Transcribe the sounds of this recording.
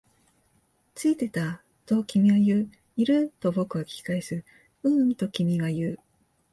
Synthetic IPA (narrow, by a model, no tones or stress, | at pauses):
t͡sɨit̪e̞t̪a | t̪o̞kʲimʲiβajɯ̟ː | iɾɯ̟t̪o̞bo̞kɯ̟βakʲi̥kaesɨɾɯ | ɯ̟̃nt̪o̞kʲimʲiɡajɯː